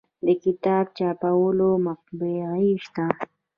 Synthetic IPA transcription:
d̪əkɪt̪ɑb̚t͡ʃɑpawəlomaq̚beɣiʃt̪a

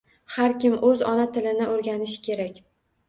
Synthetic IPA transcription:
haɾkʲɪmɵzɒnat̪ʰɪlɪnɪʔoɾɡʲanɪʃɪ̥kʲʰe̞ɾakʲ

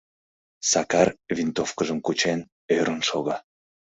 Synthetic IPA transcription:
sɑkɑrvint̪ofkəʒəmkut͡ɕen | øɾənʃoɣɑ

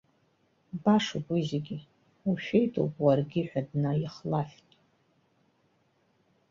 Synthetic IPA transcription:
baʂaɡʷizeɡʲi | uʃᶣe̞jtʰʼo̰wpʼwarɡʲɪħʷᶣadnajiχlaftʼ

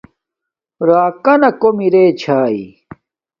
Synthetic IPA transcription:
ɾaːkɐnɐkomiɾeːt͡ɕʰaːḭ

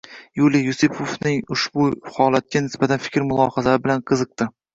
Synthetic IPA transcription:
julijʊsɪpʰofnɪŋʊʃbʊhɒlat̪̚ɡʲanɪsbat̪ʰanfɪ̥kʲɾmʊlˠɒhazaɾɪbɪlanqʰɨzɨq̚t̪ɪ

